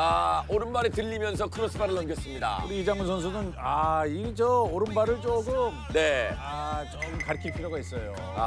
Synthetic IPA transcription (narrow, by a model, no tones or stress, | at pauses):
aoɾɯnbaɾetɯʎːimjʌns̬ʰʌkɯɾʌsʰmaɾɯɭʌmɡjʌs͈ɯmɲida̰uɾiid͡ʑaŋmɯnsʰʌns̬ʰunɯnaid͡ʑʌoɾɯnbaɾɯɭt͡ɕoɡɯmne̞at͡ɕomkaɾkʰipʰiɾjoɡaɦis͈ʌjo̰ | a̰